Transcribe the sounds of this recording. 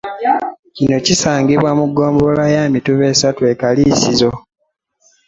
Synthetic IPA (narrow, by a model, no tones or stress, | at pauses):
cino̞cisaːŋɡiβwamuɡo̞ːmbolajamituβe̞ːsatwe̞ːkaliːsizo̞